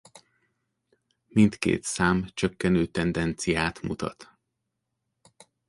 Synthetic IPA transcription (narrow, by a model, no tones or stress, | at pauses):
mint̪kḛːt̪saːmt͡ʃøkːɛnøːt̪ɛnd̪ɛnt̪sijaːt̪mṵt̪ɒ̰t̪